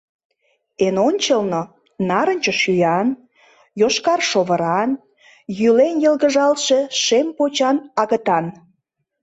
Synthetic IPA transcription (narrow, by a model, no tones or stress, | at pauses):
enonʲt͡ɕəlno | nɑɾənʲt͡ɕəʃyjɑn | joʃkɑrʃoβə̆ɾɑn | jylenjə̆lˠɣə̆ʒɑlʃe̽ʃempot͡ɕɑnɑɣət̪ɑn